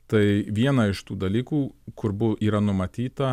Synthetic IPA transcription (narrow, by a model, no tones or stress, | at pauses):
t̪ɐɪʋʲiɛnɐɪʃt̪uːd̪ɐlʲiːkuːkʊɾbʊʔiːɾɐnʊmɐt̪ʲiːt̪ɐ